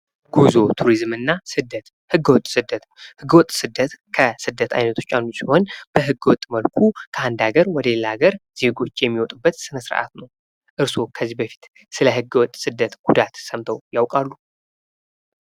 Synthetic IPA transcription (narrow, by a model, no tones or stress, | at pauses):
ɡ̥uzo̞t̪ʰuɾizmɨnːasɨd̪ət̪ | hɨɡːəwɔt̪ʼsɨd̪ːət̪hɨɡːəwɔt̪ʼsɨd̪ːət̪kʰəsɨd̪ːət̪ʰa̰jnət̪ʰo̞t͡ʃːanːusiho̞nb̥əɦɨɡːəwɔt̪ʼːməlkʰukʰəand̪aɡəɾwɔd̪elːaɡəɾz̥e̞ɡo̞t͡ʃːjɛmːiwɔt̪ʼubːət̪sɨnəsɨɾ̰ʔa̰t̪nəw | ʔɨɾsokʰəzːibəfi̥t̪ | sɨləhɨɡːəwɔt̪ʼsɨd̪ːət̪ɡ̥ud̪at̪səmt̪ʰəwjawkʼalːu